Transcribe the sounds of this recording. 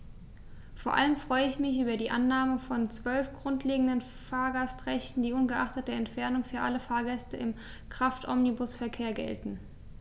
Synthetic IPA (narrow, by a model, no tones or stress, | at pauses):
foːɐʔa̰ləmfʁ̥ɔʏəɪçmɪçʔyːbɐdiːʔanːaːməfɔnt͡sv̥œlfɡ̥ʁʊntleːɡŋ̩dən | faːɐɡastʁɛçtn̩diːʔʊnɡəʔaχtət̚d̥əɛntfɛɐnʊŋfyːɐʔaləfaːɐɡɛstəɪm | kʁ̥aftʰʔɔ̰mnibʊsfɛɐkʰeːɐɡɛ̰ltn̩